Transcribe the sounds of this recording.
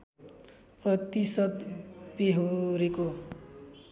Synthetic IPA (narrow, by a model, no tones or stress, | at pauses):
prʌt̪isʌt̪beɦoɾeko